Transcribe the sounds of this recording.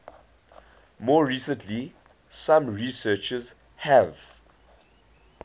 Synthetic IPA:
mɔːɹiːsə̃ntʰli | sãmɹisɜːt͡ʃəz | hɛv

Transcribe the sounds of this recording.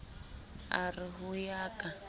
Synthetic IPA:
ariɦujaːkʼa

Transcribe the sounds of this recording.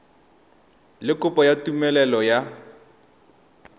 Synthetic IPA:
lɪkʊpɔjatumɛlɛlɔja

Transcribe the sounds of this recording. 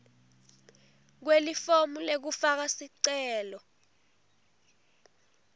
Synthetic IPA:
k̬welifomulek̬ufak̬asiǀɛːlɔ

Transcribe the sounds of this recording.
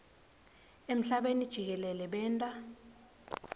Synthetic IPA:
em̩ɬaɓenid̥ʒ̥ʱik̬ɛlɛlɛɓɛːntʼa

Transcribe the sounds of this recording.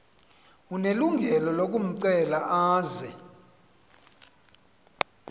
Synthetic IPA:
uneluŋɡʱɛlɔlok̬ʼum̩ǀɛlaʔaːzɛ

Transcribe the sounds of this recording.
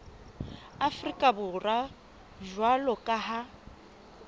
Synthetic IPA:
afrikʼabʊra | ʒwalɔkʼaha

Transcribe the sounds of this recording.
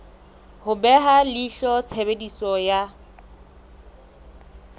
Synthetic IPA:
hʊbɛɦaliɬɔt͡sʰebedisɔja

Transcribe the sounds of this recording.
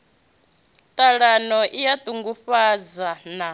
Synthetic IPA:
t̪ʼaɺanɔʔijat̪ʼuŋɡuɸad͡zana

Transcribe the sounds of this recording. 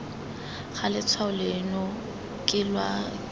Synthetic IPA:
χalɪt͡sʰwaʊlɪnɔ | kʼɪlwa

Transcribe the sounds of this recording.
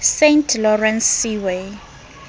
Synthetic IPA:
sentʰlɔrɛnsːiwe

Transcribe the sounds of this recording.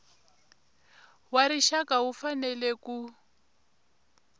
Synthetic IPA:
waɾiʃakaufanɛlɛku

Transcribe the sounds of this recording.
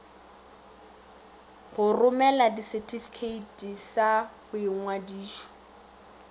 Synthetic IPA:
ɣʊrʊmɛladisɛtʼʰifi̥kʰeitʼisaχʊɪŋ̩ŋwadiːʃɔ̥

